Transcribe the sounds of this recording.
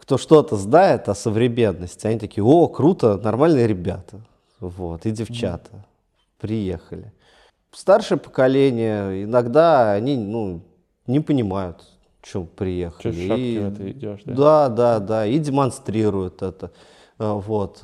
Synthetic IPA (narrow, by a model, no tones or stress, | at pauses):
kt̪o̞ʂt̪o̞t̪əznaɪt̪ɐsəvɾʲɪmʲe̞nːəsʲtʲɪɐnʲit̪ɐkʲijəo̞kɾut̪ənɐrmalʲnɨjəɾʲɪbʲat̪ə | vo̞t̪ɪdʲɪft͡ɕa̰t̪ə̥ | pɾʲɪjexəlʲɪ | st̪arʂɨjəpə̥kɐlʲenʲɪjəɪnɐɡd̪aɐnʲinu | nʲɪpənʲɪmajʊt̪ | t͡ɕɪmpɾʲɪjexəlʲɪt̪ɪd̪ad̪ad̪aidʲɪmɐnst̪ɾʲiɾʊjʊt̪ɛt̪ə | vo̞t̪